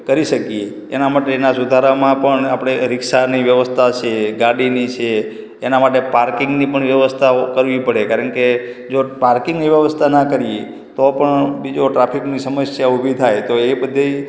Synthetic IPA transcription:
kəɾiʃəkijeːnamaʈeːnasud̪ʱaɾamãpəɳapɽ̃eɾɪkʃaniʋjəʋəst̪ʰat͡ʃʰeɡaɽinit͡ʃʰeː | namaʈepaɾkɪŋɡnipəɳʋjəʋəst̪ʰakəɾʋipəɽekaɾəɳke | d͡ʒopaɾkɪ̃ŋɡniʋjəʋəst̪ʰanakəɾije | t̪opəɳbid͡ʒoʈɾapʰiknisəməsjaubʱit̪ʰajt̪oebəd̪ʱe

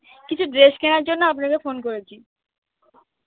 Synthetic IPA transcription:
kit͡ɕʰud̪ɾeʃkɛnaɾd͡ʑonːoapnakefonkoɾet͡ɕʰi

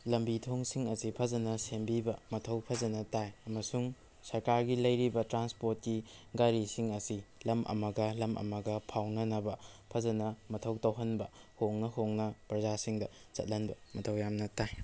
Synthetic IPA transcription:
lɐmbitʰoŋsiŋɐsipʰɐzɐnɐsembibɐmɐtʰɐwpʰɐzɐnɐtajɐmɐsuŋ | sɐɾkaɾɡilɐjɾibɐtɾanspoɾt̚kiɡaɾisiŋɐsilɐmʔɐ̰mɐɡɐlɐmʔɐ̰mɐɡɐpʰawnɐnɐbɐpʰɐzɐnɐmɐtʰɐwtɐwɦɐnbɐhoŋnɐhoŋnɐpɾɐzasiŋdɐt͡ʃɐ̰t̚lɐnbɐmɐtʰɐwjamnɐtaj

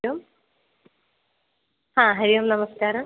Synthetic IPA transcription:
om | hãɦɐɾijomnɐməskaːɾ

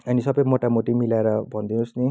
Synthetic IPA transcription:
ʌnisʌbʌjmoʈamoʈimilaeɾʌbʱʌnd̪inusni

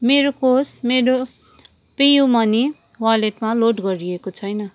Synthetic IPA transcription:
meɾokosmeɾo | pijumʌni | waleʈmaloʈɡʌɾiekot͡sʰʌjnʌ

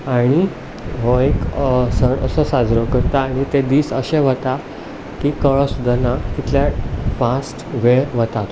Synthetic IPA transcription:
aɽ̃i | ɦoekəsəɳə̰səsad͡zɾəkəɾt̪aːɽ̃it̪ed̪iːsəɕeʋ̤ət̪a | kiːkəɭəsud̪ʱːanat̪it̪ʰljafãsʈʋeɾʋət̪at̪

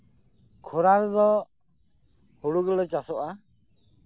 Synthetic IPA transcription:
kʰɔɾaɾd̪ɔ | huɽuɡɛlɔt͡ʃasɔʔa

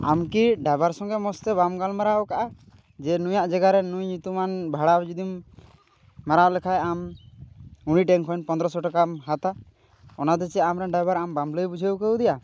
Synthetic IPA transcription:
a̰mkiɖajbaɾsɔŋɡɛmɔst̪ɛβamɡalmaɾaɔkaʔa | d͡ʒɛnujaʔd͡ʒɛɡaɾɛnujɲut̪umanbʱaɽabd͡ʒud̪imː | aɾalɛkʰajam | uɽ̃iʈɛŋkʰɔjnpɔnd̪ɾɔsɔʈɔkamɦat̪a | ɔnad̪ɔt͡ʃiamɾɛnɖajbaɾambamləjbud͡ʒʱəwkəwd̪ɛja

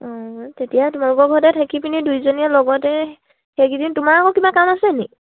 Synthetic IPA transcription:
ɔ̃tetijatʊmalukɔɡʱɔtɛtʰakipinidujzonijalɔɡɔtɛ | xeɡidintʊmaɹakɔkibakamasɛni

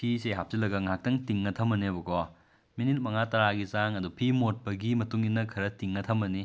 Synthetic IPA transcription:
pʰiseɦap̚silɐɡɐŋak̚tɐŋtiŋːɐtʰɐmɐnebɐkɔ | minit̚mɐŋatɐɾaɡizaŋɐdupʰimot̚pɐɡimɐtuŋinːɐkʰɐɾɐtiŋːɐtʰɐmɐni

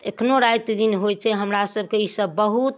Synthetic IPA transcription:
ekʰnoɾajt̪d̪inɦojt͡ʃʰɛɦəmɾasəb̚ʱkeisəbːəɦut̪

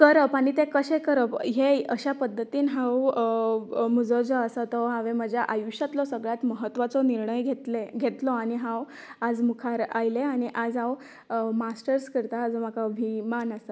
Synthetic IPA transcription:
kəɾəpaɽ̃it̪ekəɕekəɾəpɦeəɕapəd̪ʱːət̪iːnɦaw | məd͡zɔd͡zɔəsat̪ɔɦãʋeməd͡ʑʱjaʔajuɕət̪lɔsəɡɭat̪məɦət̪ːʋat͡sɔniɾɳəjɡʱet̪eɡʱet̪lɔaɽ̃iɦãw | ad͡zmukʰaɾajleaɽ̃iʔad͡zaw | masʈəɾskəɾt̪aːd͡zomakʰaəbʱimanasa

